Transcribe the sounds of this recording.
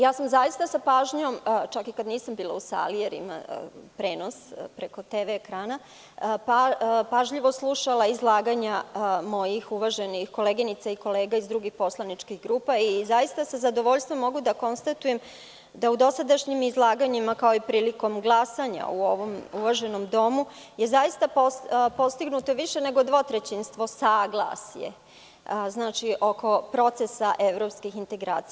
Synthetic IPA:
jaːsamzajist̪asapaːʒɲomt͡ʃakikad̪niːsambiːlˠausa̰lijeɾḭma̰pɾe̞ːnospɾeko̞t̪eːʋeːkɾaːna | papaʒʎiʋo̞slˠuʃalˠaizlˠaːɡaɲamo̞jixuʋaʒenixko̞leɡinit̪saiko̞leːɡaizd̪ɾuɡixpo̞slˠanit͡ʂkiɣɡɾuːpaizajist̪asazad̪o̞ʋo̞ʎst̪ʋo̞mːo̞ɡud̪ako̞nst̪at̪ujem | d̪aud̪o̞sad̪aʃɲimizlˠaːɡaɲimakao̞ipɾiːliko̞mɡlˠasaɲa̰uo̞ʋo̞muʋaʒe̞no̞md̪o̞muje̞zajist̪apopo̞st̪iɡnut̪o̞ʋiʃe̞ne̞ɡo̞d̪ʋo̞t̪ɾet͡ɕinst̪ʋo̞saːɡla̰sjḛ | znaːt͡ʃiʔo̞ko̞pɾo̞t̪sesaʔe̞ʋɾo̞ːpskixint̪e̞ɡɾaːt̪sija

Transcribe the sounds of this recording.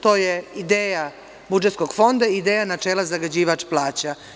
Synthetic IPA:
t̪o̞ːjeid̪eːja | bud͡ʒet̪sko̞ɡ̥fo̞nd̪aid̪eːjanat͡ʃeːlazaɡad͡ʑiːʋat͡ʂplˠaːt͡ɕa

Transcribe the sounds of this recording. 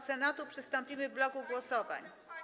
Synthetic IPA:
sɛnat̪upʂɘst̪ɔmpʲimɘvblɔɡuɡwɔsɔva̰ɲ

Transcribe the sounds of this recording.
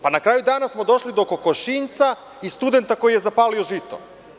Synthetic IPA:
panakɾaːjud̪aːnasmo̞d̪o̞ʃlid̪oko̞koʃint̪sa | ist̪ud̪e̞nt̪ako̞jije̞zapaːlioʒit̪o̰

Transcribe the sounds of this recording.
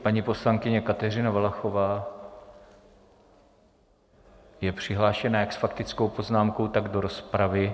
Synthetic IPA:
paɲipo̞slaŋkɪɲɛkat̪ɛrɪnavalaxo̞vaː | jɛpr̝̥ɪɦlaːʃɛnajaksfakt̪ɪt͡skowpo̞znaːmkowt̪aɡdo̞ɾo̞spɾavɪ

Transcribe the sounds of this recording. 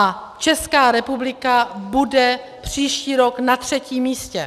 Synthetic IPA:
at͡ʃɛskaːɾɛpublɪkabudɛ | pr̝̥iːʃciːɾoknat̪r̝̥ɛciːmiːscɛ̰

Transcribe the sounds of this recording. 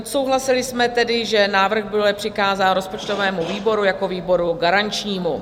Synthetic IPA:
ot̪so̞wɦlasɪlɪsmɛt̪ɛdɪʒɛnaːvr̩ɣbɪlɛpr̝̥ɪkaːzaːnɾo̞spo̞t͡ʃt̪o̞vɛːmuviːbo̞ɾujako̞viːbo̞ɾuɡaɾant͡ʃɲiːmu

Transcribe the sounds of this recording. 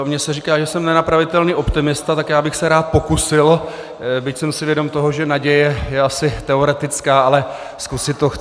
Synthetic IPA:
mɲɛsɛriːkaːʒɛsɛmnɛnapɾavɪt̪ɛlniːʔo̞pt̪ɪmɪst̪at̪akjaːbɪxsɛɾaːt̪̚po̞kusɪl | bɪcsɛmsɪvjɛdo̞mt̪o̞ɦoʒɛnaɟɛjɛjɛasɪt̪ɛo̞ɾɛt̪ɪt͡skaːʔalɛ | skusɪt̪ːox

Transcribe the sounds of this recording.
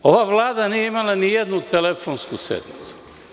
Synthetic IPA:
o̞ʋaːʋlaːd̪anijeimalanijed̪nut̪elefonskusḛd̪mit̪su̥

